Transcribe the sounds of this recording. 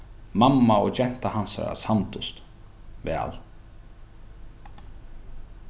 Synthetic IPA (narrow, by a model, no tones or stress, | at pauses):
mamːaɔɣd͡ʒɛn̥t̪ahansa̰ɾa̰sant̪ʊst̪ | vɛ̰ːl